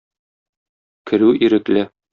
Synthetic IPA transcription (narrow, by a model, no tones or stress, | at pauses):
kɘ̆ɾʉʔiɾɘ̆klɘ